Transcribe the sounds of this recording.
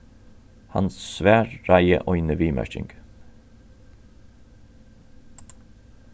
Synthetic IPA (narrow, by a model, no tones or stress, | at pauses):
hɑ̰nssʋæːɹɹæɪə̰ʔɔʏnəʋiːmæ̰ʃɪ̰ŋɡ̥